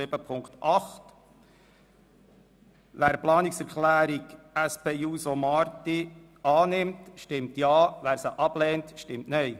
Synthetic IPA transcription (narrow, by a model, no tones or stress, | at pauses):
ɪb̥əpʰʊŋkt̪ɑχt | ʋæːɾplɑːnɪksɛɾkʰlæːɾiɡ | æspʰeːuːsomɑːɾti | ɑːnɪmtʃtɪmtjɑːʋæːɾsəʔɑb̥lɛːntʃtɪmtnœj